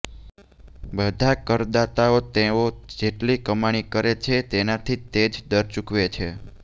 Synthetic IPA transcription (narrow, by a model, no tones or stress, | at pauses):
bəd̪ʱakəɾd̪at̪aot̪eod͡ʒeʈlikəmaɽ̃ikəɾet͡ʃʰet̪enat̪ʰit̪ed͡ʒd̪əɾt͡ʃukʋet͡ʃʰe